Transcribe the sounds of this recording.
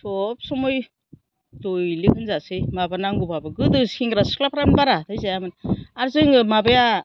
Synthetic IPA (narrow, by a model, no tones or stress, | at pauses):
sʰɔp̚sɔmoj | tojlɯkʰɯnzasɯjmabanaŋɡupabɯɡɯdɯskiŋɡɾasklapʰɾanbaɾatʰajzajamɯnaɾzɯŋɯmabaja